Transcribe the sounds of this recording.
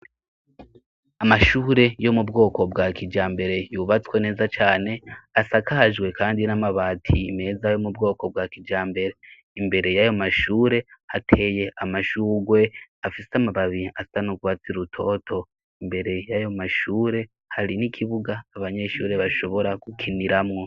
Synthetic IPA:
amaʃuːɾe̞jo̞mubɡo̞ːko̞bɡakid͡ʒaːmbe̞ɾe̞juβat͡swene̞ːzat͡ʃaːne̞asakaʒɡwe̞kaːndinamaβaːtʰime̞ːzajo̞mubɡo̞ːko̞b̚ɡakid͡ʒaːmbe̞ɾe̞ | imbe̞ɾe̞jajomaʃuːɾe̞hatʰe̞je̞ʔamaʃuːɡwe̞afiseamaβaβiastanoɡwat͡siɾutʰo̞tʰo̞ | imbe̞ɾe̞jajomaʃuːɾe̞ | haɾinikʰiβuɡaːβaɲe̞ʃuːɾe̞βaʃo̞βo̞ɾakukʰiniɾamŋo̞

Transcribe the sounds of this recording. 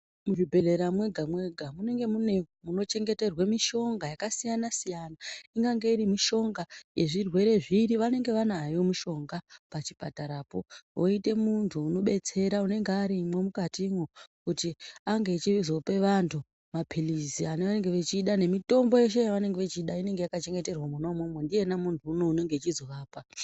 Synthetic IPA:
muʐibʱe̞le̞ɾamwe̞ɡʱamwe̞ɡʱamune̞ŋɡe̞mune̞muno̞t͡ʃe̞ŋɡe̞te̞rwamiʃo̞ŋɡajakasijanasijanaiŋɡaŋɡe̞iɾimiʃo̞ŋɡaje̞ʐirwe̞ɾe̞ʐiɾiʋane̞ŋɡe̞ʋanaːjo̞muʃo̞ŋɡapat͡ʃipataɾaːpo̞̰oite̞muntʰuːno̞ɓe̞t͡se̞ɾaune̞ŋɡeaɾimwemukatimwokutiaŋɡe̞ːt͡ʃiʋizo̞pe̞ʋantʰu | mapʰilizianeʋane̞ŋɡeʋet͡ʃiːɗane̞mito̞mbo̞je̞ʃe̞jaʋane̞ŋɡeʋet͡ʃiːɗaine̞ŋɡe̞jakat͡ʃe̞ŋɡe̞terwamuno̞momwendije̞namuntʰuːno̞une̞ŋɡe̞t͡ʃizo̞ʋaːpa

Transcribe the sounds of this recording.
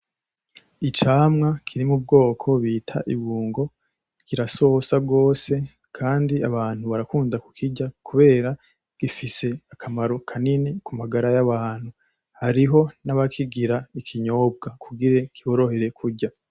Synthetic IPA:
it͡ʃaːmŋakʰiɾimub̚ɡo̞ːkʰo̞βiːtʰa̰ʔiβuːŋɡo̞ | kiɾaso̞sabɡo̞ːse̞ | kʰaːndiaβaːn̥huβaɾakuːndakukʰiɟakʰuβe̞ːɾa | ɡ̥ifise̞akʰamaɾo̞kʰaninikumaɡaɾajaβaːn̥hu | haɾiɦo̞naβakʰiɡiɾaikʰiɲo̞ːb̚ɡakʰuɡiɾe̞kʰiβo̞ɾo̞he̞ɾe̞kʰuɾɟa

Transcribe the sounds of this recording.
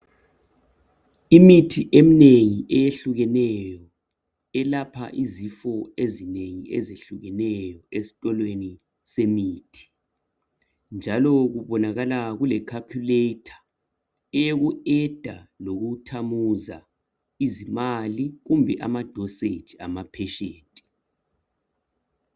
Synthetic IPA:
imitʰiʔem̩neŋiʔɛjeɬuɣɛnɛjɔ | ɛlapʰa̰ʔizifɔezineŋiʔezeɬuɣɛnɛjɔesi̥tʼɔlweni | semiːtʰi̥ | nd͡ʒʱalɔɣuβɔnaɣalaɣulɛkʰakʰuletʰḁ | ɛjeɣuɛd̥ʱaloɣutʰamuza̰ | izimaliɣumbʱɛʔamad̥ʱɔsed̥ʒ̥ʱiamapʰɛʃeːtʼi̥

